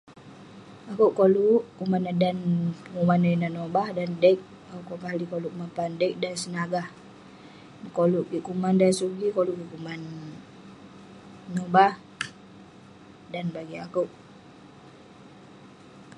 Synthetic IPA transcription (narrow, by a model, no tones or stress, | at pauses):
akuʔkoluʔkumanadanəŋumanəinanobahdandɛk̚ | auʔkoʔkalikoluʔkumanpandək̚dansənaɡah | koluʔkikumandansuɡikoluʔkikuman | obah | danbaɡiakuʔ